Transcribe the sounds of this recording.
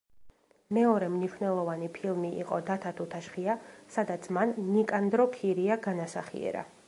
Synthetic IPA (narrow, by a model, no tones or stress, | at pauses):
mɛɔɾɛmniʃwnɛlˠɔvanipʰilˠmiḭqʼɔ̰d̪at̪ʰat̪ʰut̪ʰaʃχiasad̪at̪sʰmanːikʼand̪ɾɔkʰiɾiaɡanasaχḭɛ̰ɾa̰